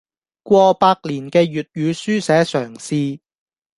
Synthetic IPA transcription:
kʷɔː˧paː˧k̚liː˨˩nkɛː˧ɥyː˨t̚jyː˨˧syː˥sɛː˨˥sœː˨˩ŋsiː˧

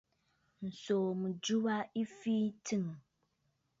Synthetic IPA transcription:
n̩˨so˨mũ˨d͡ʒu˦wa˦i˦fi˦tʰɨ˦˨ŋ˨

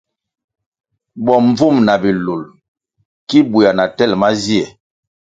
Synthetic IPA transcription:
bɔ˨ɱ˦b͡vu˦˨mna˨bi˨lu˨l | ki˦bu˨a˨na˨tɛ˦˨lma˦zi˦ɛ˨

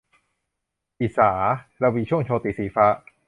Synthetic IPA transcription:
ʔi˨˩saː˩˦ɾa˧wiː˧t͡ɕʰu˥˩əŋt͡ɕʰoː˧t̪i˨˩siː˨˩˦faː˦˥

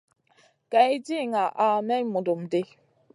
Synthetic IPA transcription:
ka˨i˦d͡ʒi˦˨ŋa˨ʔa˨mɛ˦mu˨do˨m˨de˦

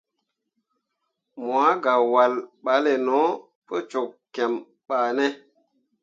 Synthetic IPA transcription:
mwa˨˦ɡa˨wa˨lɓa˨˦le˨no˨˦ | pə˦t͡ʃo˨kkɛ˨m | ɓa˨ne˦

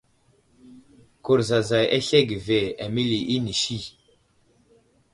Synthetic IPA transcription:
ku˨ɾza˨za˨ja˦ɬe˦ɡi˨ve˨a˨mi˦li˨ʔi˦ni˨ʃi˦˨

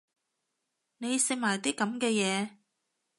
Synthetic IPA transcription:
ne˨˧jsɪ˧k̚maː˨˩jt̪iː˥kɐ˨˧˥mkɛː˧jɛː˨˧

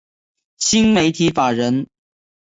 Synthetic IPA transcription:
ɕi˥nme˧˥ɪt̪ʰi˧˥fa˨˩ɻə˧˦˥n

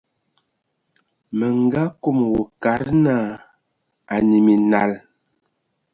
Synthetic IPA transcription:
mə˨ŋ˦ɡa˦ko˦˨m˨wo˨ka˨˦ɾna˦˨ | a˨ni˨mi˨na˨l

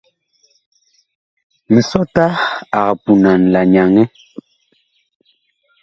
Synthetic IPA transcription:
mi˨sɔ˦ta˦a˨ɣa˨pu˨na˨n˨la˨ɲa˨ŋɛ˦

